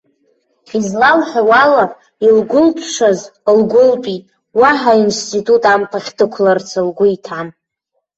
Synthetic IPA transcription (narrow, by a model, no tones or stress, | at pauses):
izlalħᶣawala | ilɡʷʊlpʰʂʷazlɡʷʊlpʼi | waħainstʰʼitʼutʼampʰaχʲdʰɨkʷʰlart͡sʰalɡʷʊitʰan